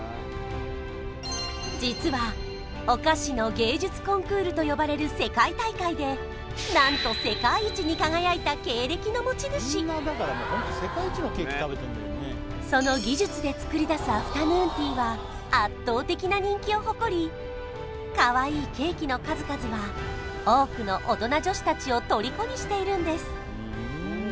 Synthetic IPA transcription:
d͡ʑit͡sɨβa | okaɕino̞ɡe̞ːʑɨt͡sɨ̥kõ̞ŋkɯ̟ːɾɯ̟t̪o̞jo̞baɾe̞ɾɯ̟se̞kait̪aikaid̪e̞ | nãnt̪o̞se̞kaiːt͡ɕiɲ̟ikaŋajait̪ake̞ːɾe̞kʲino̞mo̞t͡ɕid̪ɯ̟ɕid̪akaɾamoːkõnt̪ose̞kait͡ɕinoke̞ːkʲi̥t̪abe̞t̪end̪a̰jo̰ne | so̞no̞ɡʲiʑɨt͡sɨd̪e̞t͡sɨ̥kɯ̟ɾʲid̪asɨaɸɯ̟̥t̪amɯ̟ːnt̪ʲiːβa | at̪ːo̞ːt̪e̞kʲinaɲ̟ĩŋkʲio̞ɦo̞ko̞ɾʲi | kaβaiːke̞ːkʲino̞kazɨkazɨβao̞ːkɯ̟no̞ʔot̪o̞nad͡ʑo̞ɕi̥t̪at͡ɕio̞t̪o̞ɾʲiko̞mʲiɕi̥t̪e̞iɾɯ̟̃nd̪e̞sɨ̥

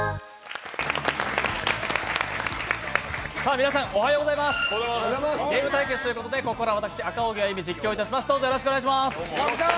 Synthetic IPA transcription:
saːmʲinasãŋo̞hajo̞ːɡo̞zaimas | ɡe̞ːmɯ̟t̪aike̞t͡sɨ̥t̪ojɯ̟ko̞t̪o̞d̪e̞ko̞koɾaβat̪akɯ̟̥ɕiakaoːɡʲiajimʲid͡ʑikʲːo̞ːit̪aɕimasɨd̪oːzojoɾoɕikoeɡaɕ̬imas

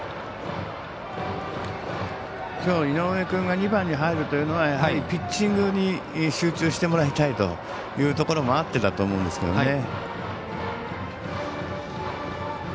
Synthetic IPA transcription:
kʲo̞ːinoe̞kɯ̃ŋɡaɲ̟ibãɲ̟ːiɦaiɾɯ̟t̪o̞jɯ̟ːno̞βajaɦaɾʲipʲit͡ɕːĩŋɡɯɲ̟iɕɨːt͡ɕɨːɕi̥t̪e̞mo̞ɾait̪ait̪o̞̰ | jɯ̟ːt̪o̞ko̞ɾo̞mo̞at̪ːe̞t̪at̪o̞ːmo̞ɯ̃nd̪esɨ̥ke̞d̪mone

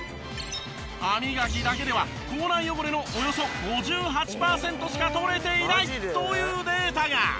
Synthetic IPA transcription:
amʲiɡakʲid̪ak̬e̞d̪e̞βa | ko̞ːnaĩjo̞boɾeno̞ːjo̞so̞ɡo̞ʑɨːɦat͡ɕi̥paːsẽ̞nt̪o̞ɕi̥kat̪o̞ɾe̞t̪e̞inait̪o̞jɯ̟ːd̪e̞ːt̪aɡa̰

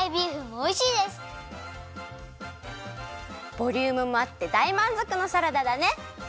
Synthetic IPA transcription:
ibʲiɸɯ̟mooiɕiːd̪e̞sɨ̥ | b̥o̞ɾʲɯːmɯ̟moat̪ːe̞d̪aimãnzo̞kɯ̟no̞saɾad̪ad̪ane̞

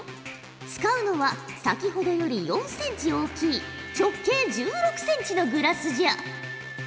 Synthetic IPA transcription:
t͡sɨ̥kaɯ̟no̞βasakʲiho̞d̪o̞jo̞ɾʲijõ̞ɰ̃sẽ̞ɲ̟t͡ɕio̞ːkʲiːt͡ɕo̞kːe̞ːd͡ʑɨːɾo̞kɯ̟̥sẽ̞ɲ̟t͡ɕino̞ɡɯ̟ɾasɨʑia

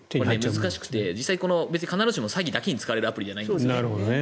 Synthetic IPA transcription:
oemɯzɨkaɕi̥kɯ̟̥t̪e̞d͡ʑisːaiko̞no̞bet͡sɨɲikanaɾoɕimːo̞saɡʲid̪ake̞ɲ̟it͡sɨ̥kaβɾe̞ɾɯ̟apɯɾʲid̪eanaĩnaɾɯhod̪oe

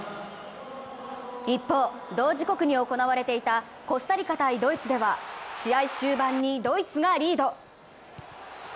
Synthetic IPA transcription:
ipːo̞ː | d̪o̞ːʑiko̞kɯ̟ɲ̟io̞ko̞naβ̞aɾe̞t̪e̞it̪a | ko̞sɨ̥t̪aɾʲikat̪aid̪o̞it͡sɨd̪e̞βaɕiaiɕɨːbãɲ̟ːid̪o̞it͡sɨɡaɾʲiːd̪o̞

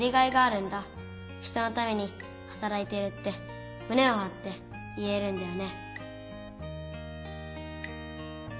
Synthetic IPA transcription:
ɾʲiɡaiɡaːɾɯ̟̃nd̪a | çi̥t̪o̞no̞t̪ame̞ɲ̟i | hḁt̪aɾait̪e̞iɾɯ̟t̪ːe̞ | mɯ̟ne̞ohat̪ːe̞ | ie̞ɾɯ̟̃nd̪ajone̞

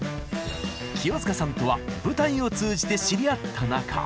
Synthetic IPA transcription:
kʲʰio̞t͡sɨ̥kasãnt̪o̞βabɯ̟t̪ãĩo̞t͡sɨːʑit̪e̞ɕiɾʲiat̪ʰːanakʰa̰

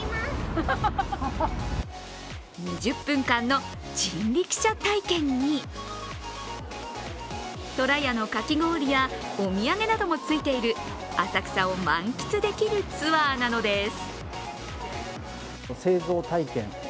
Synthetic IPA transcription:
ɲid͡ʑɨpːɯ̟̃ŋkãnːo̞ | d͡ʑĩnɾʲiki̥ɕat̪aikẽ̞ɲ̟ːi | t̪o̞ɾaiano̞kakʲiɡo̞ːɾʲijaomʲiaɡe̞nad̪o̞mo̞t͡sɨit̪e̞iɾɯ̟ | asakɯ̟̥sao̞mãŋkʲi̥t͡sɨd̪e̞kʲiɾɯ̟t͡sɨβaːnano̞d̪e̞sɨ̥ | se̞ːzo̞ːt̪aikḛ̃ŋ

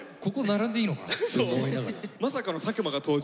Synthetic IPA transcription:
ko̞konaɾãnd̪e̞iːno̞ka̰soooinaɡaɾa̰masakanosakɯmaɡat̪o̞ː

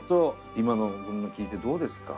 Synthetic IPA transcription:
t̪o | imanoɡõnːokʲiːt̪e̞d̪o̞ːd̪e̞sɨ̥ka̰

